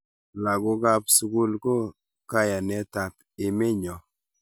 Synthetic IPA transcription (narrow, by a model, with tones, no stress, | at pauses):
la˨ɡʊ˦ɡa˦psu˦ku˦lko˦ | ka˦ja˨nɛ˨ta˨p | ɪ˨me˦ɲɔ˨